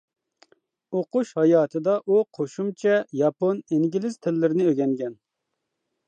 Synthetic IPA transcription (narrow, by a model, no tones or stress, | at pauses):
oquʃhɑjɑːt̪ʰɨd̪ɑʔuqʰoʃumt͡ʃʰɛjɑponiŋɡʲilɪz̥t̪ʰɪlːɪɾɪnɪøɡʲɛŋɡʲɛn